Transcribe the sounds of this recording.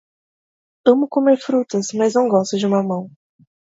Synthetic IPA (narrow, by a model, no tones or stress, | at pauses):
ɐ̃mʊkomeɾfɾut̪ɐsmɐznɐ̃w̃ɡɔst̪ʊd͡ʒɪũmɐmɐ̃w̃